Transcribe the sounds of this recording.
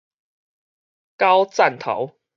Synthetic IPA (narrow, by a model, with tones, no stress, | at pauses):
ka˦wt͡sa˥˨nt̪ʰo̰˨˦ʊ